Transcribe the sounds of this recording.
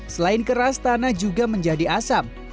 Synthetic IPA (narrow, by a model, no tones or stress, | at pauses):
səlaɪnkəɾast̪anad͡ʒuɡaməɲd͡ʒadiasam̚